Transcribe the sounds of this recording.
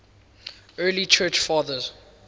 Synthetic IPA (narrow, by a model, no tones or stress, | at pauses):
ɜːlit͡ʃʰɜːˑt͡ʃfɑːðəz̥